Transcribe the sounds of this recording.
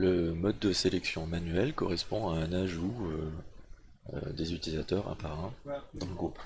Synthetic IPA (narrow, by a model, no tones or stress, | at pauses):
ləmɔd̪ːəselɛksjɔ̃manɥɛlkɔʁɛspɔ̃aɛ̃naʒuø | ø̰d̪ezyt̪ilizat̪œʁa̰paʁɑ̃d̪ɑ̃ləɡʁup